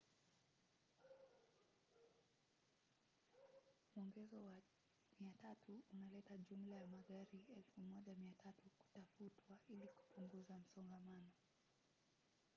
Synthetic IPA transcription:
muɔŋɡɛzɔwa | miatatʰuunalɛtaʄum̩lajamaɠaɾiɛlfumɔʄamiatʰatuku̥tafutwaʔiliku̥puŋɡuzam̩sɔmɡamanɔ

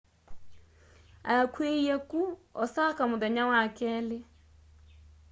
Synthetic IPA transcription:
a̰jakweijɛkuɔsakamʊðɛɲawakɛːle

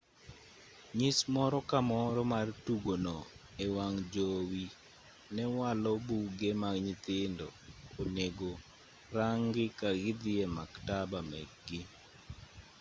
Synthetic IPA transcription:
ɲɪsmɔɾɔkamɔɾɔmartuɡonɔ | ewaŋd͡ʒowi | nɛwalɔbuɡemaɲɪt̪ɪndɔ̰oneɡo | ɾaŋɡɪkaɡɪd̪ɪemaktabamɛɡɡɪ

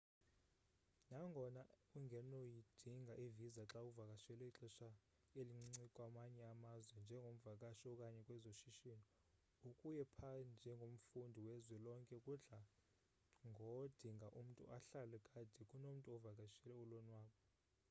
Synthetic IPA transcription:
naŋɡʱɔnauŋɡʱɛnojid̥ʱiŋɡʱaʔivizaǁauvakʼaʃɛlɛiǁɛʃa | eliŋ͡ǀŋ͡ǀŋ͡ǀikʼwamaɲɛamazwɛnd͡ʒʱɛŋɡʱom̩vakʼaʃɔkʼaɲɛkʼwɛzoʃiʃini | ukʼujɛpʰand͡ʒʱɛŋɡʱom̩fundʱiwɛzwɛlɔŋkʼɛkʼuɮa | ŋɡʱɔd̥ʱiŋɡʱaʔum̩tʼṵʔaɬalɛkʼad̥ʱikʼunom̩tʼuɔvakʼaʃɛlɛulonwaːkɔ

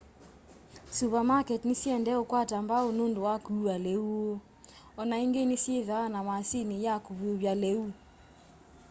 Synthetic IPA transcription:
supamakɛtnisiɛndɛokwatambaonondowakuualɛuo | ɔnaiŋɡenisieðaanamasinijakuβiuβjalɛu

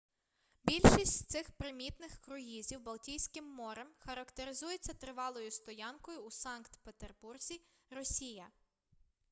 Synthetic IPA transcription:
bʲilʲʃisʲtʲt̪sɪxpɾɪmʲit̪nɪxkɾʊɦizʲiwbɐlˠtʲijsʲkɪmːɔɾɛmxɐɾɐkt̪eɾɪzujet͡sʲːɐt̪ɾɪʋɑlˠɔjʊst̪ɔjɑnkɔjʊːsɑnkt̪pet̪erburzʲi | ɾɔsʲijɐ

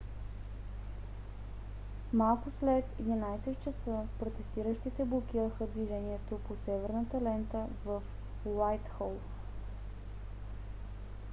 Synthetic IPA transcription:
malˠkʊslɛt̪ɛd̪inajsɛt̪t͡ʃəsɤpɾot̪ɛst̪iɾəʃt̪it̪ɛblˠok̟iɾəxəd̪viʒɛniɛt̪oposɛvɛɾnət̪ɐlɛnt̪əvəf | wajt̪xɔlˠ

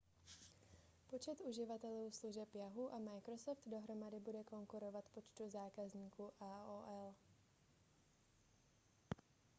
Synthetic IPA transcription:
po̞t͡ʃɛt̪uʒɪvat̪ɛluːsluʒɛpjaɦuʔamajkɾosoft̪do̞ɦɾo̞madɪbudɛko̞ŋkuɾo̞vat̪po̞t͡ʃt̪uzaːkazɲiːkuʔaːoːʔɛl

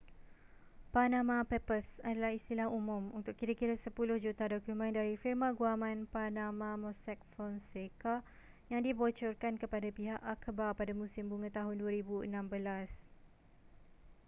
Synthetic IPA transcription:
panãmãpɛpəsadalahist̪ilahumʊ̃munt̪ʊkkiɾakiɾasəpulʊhd͡ʒut̪adɔkjumə̃ndaɾifirmãɡuamãnpanamãmɔsɛk̚fɔnseka | jaŋdibɔt͡ʃɔrkankəpadapiɦaʔakəbapadamũsɪmbuŋãt̪aɦʊnduəɾibuə̰nãmbəlas

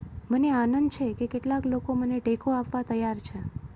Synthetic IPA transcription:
məneanənd̪t͡ʃʰekekeʈlaklokoməneʈekoapʋat̪əjaɾt͡ʃʰe

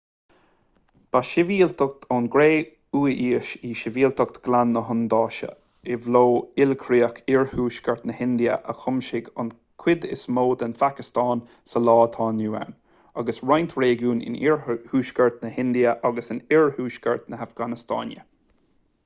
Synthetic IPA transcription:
b̥aʃɪviːlt̪ʰʊk̚t̪ʰɑnɡɾeː | uːʔiːəʃiːʃɪviːlt̪əkt̪ɡ̥lanːəɦʊnd̪ɑːʃə̰ | ɪvloːɪlkʰɾiːəkʰɪɹhuːʃkəɹt̪nəhɪnd̪iə̰ʔə̰xʊmʃɪɡʊ̰n | kʰwɪd̪ɪsmoːd̪ənfakɪstɑːn | səlɑːt̪ʰɑːnuːa̰n | aɡəsɹajnt̪ʰɾeːɡuːnɪ̰nɪɹhuːʃkəɹt̪nəhɪnd̪iəʔaɡəsɪnɪɹhuːʃkəɹt̪nəafɡanɪst̪ɑ̰ːnjə̰

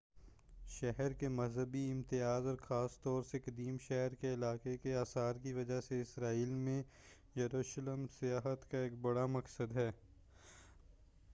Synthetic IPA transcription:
ʃɛɦɾkemɐzɦəbiɪ̃mt̪ɪjaːzɔːɾxaːst̪ɔːɾsekɐd̪iːmʃɛɦɾkeɪlaːkekeaːsaːɾkiʋɐd͡ʒaseɪsɾaːiːlmẽ | jɐɾuːʃləmsɪjaːɦət̪kaeːk̚bɐɽamɐksəd̪ɦɛː

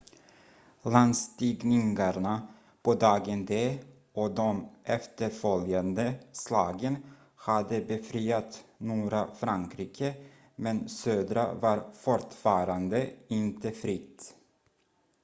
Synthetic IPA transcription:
land̪st̪iɡnɪŋɡaɳa | pɔd̪ɑːɡɛnd̪eː | ɔd̪ɔmʔɛft̪əɾfœljand̪əslɑːɡən | had̪əbɛfɾiːjat̪nuːɾafɾaŋkʰɾiːkʰə | mɛnsøːd̪ɾa̰vaɾfɔʈfɑːɾand̪əɪnt̪əfɾɪt̪ː

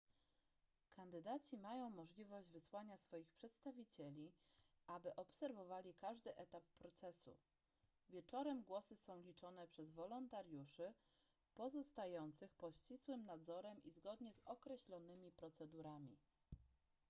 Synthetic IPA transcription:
kʰand̪ɘd̪at͡ɕimajɔ̃w̃mɔʐlʲivɔʑd͡ʑvɘswaɲasfɔjixpʂɛt̪st̪avʲit͡ɕɛlʲi | ʔabɘʔɔpsɛɾvɔvalʲikaʐd̪ɘʔɛt̪apːɾɔt̪sɛsṵ | vʲjɛt͡ʂɔɾɛmɡwɔsɘsɔ̃w̃lʲit͡ʂɔnɛpʂɛzvɔlɔnt̪aɾjuʂɘ | pɔzɔst̪ajɔnt̪sɘxpɔt̪ɕt͡ɕiswɘmnad̪zɔɾɛmizɡɔd̪ɲɛzɔkɾɛɕlʲɔnɘmʲipɾɔt̪sɛd̪uɾamʲḭ

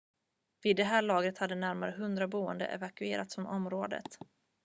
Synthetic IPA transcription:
viːd̪ːɛɦæːɭɑːɡɾət̪had̪ːənæɾmaɾəɦɵnd̪ɾabuːə̰nd̪ə̰ʔɛ̰vakɵeːɾʔat̪sɔmʔɔmɾoːd̪ə̰t̪

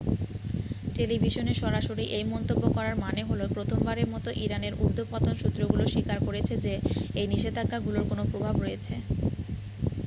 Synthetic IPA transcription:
ʈelibʱiʃoneʃɔɾaʃoɾiʔejmɔnt̪obːokɔɾaɾmaneɦolopɾot̪ʰombaɾeɾmɔt̪oʔiɾaneɾuɾd̪ʱopɔt̪onʃut̪ːɾoɡuloʃikaɾkoɾet͡ɕʰed͡ʑeejniʃed̪ʱakːaɡuloɾkonopɾobʱabɾojet͡ɕʰe

